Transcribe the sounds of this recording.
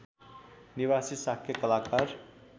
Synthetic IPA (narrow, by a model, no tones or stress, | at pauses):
niβasisakʰjʌkʌlakar